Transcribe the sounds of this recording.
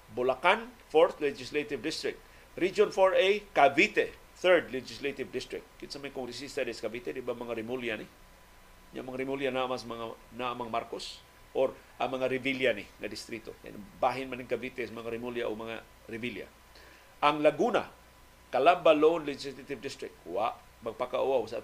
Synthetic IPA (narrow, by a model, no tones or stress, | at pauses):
bʊlakanfoɾθlɛd͡ʒɪslet̪ɪvd̪ɪst̪ɾɪk̚t̪̚ | ɾid͡ʒonfoɹejkavit̪ɛ | θɛɹd̪lɛd͡ʒɪslet̪ɪvd̪ɪst̪ɾɪ̰k̚t̪̚kɪt̪samajkʊŋɾɪsist̪ad̪ɛskabit̪ɛd̪ɪbamɐŋaɾɪmuljanɪ | ɲa̰mɐŋaɾɪmuljanaʔmasamaŋa | naʔamaŋmaɾkos | ʔoɾ | ʔa̰ŋmɐŋaɾɪviljanɪŋad̪ɪst̪ɾit̪o̰ka̰j̰nbaɦɪnmanɪŋkabit̪ɛsamaŋaɾɪmuljaʔoɡmɐŋa | ɾɪvilja̰ | ʔaŋlaɡuna̰ | kalambalonlɛd͡ʒɪslat̪ɪvd̪ɪst̪ɾɪk̚t̪̚waʔ | maɡ̚pakaʔuawsa